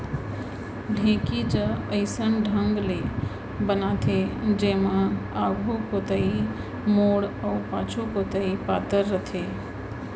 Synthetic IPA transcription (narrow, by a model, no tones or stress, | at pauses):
ɖʱẽːkid͡ʒəəɪsənɖʱə̃ŋɡle | bənat̪ʰed͡ʒeːmãaːɡʱukot̪əi | moːɽɔːpãːt͡ʃʰokot̪əipaːt̪əɾːət̪ʰeː